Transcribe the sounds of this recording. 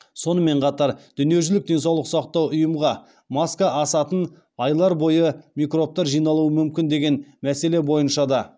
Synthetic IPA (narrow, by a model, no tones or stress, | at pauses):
so̞nəme̞ɴqʰɑt̪ɑɾd̪̥ʏnije̞ʒʏlɪk̚d̪e̞nsɑwlˠəqsɑqt̪ɑwʊjəmʁɑ | mɑskɑʔɑsɑt̪ən | ɑjlˠɑɾbo̞jəmikro̞p̚t̪ɑɾʒijnɑlˠuəmʏmkʲɪnd̪e̞ɡʲe̞nmæse̞le̞bo̞jənʃɑd̪ɑ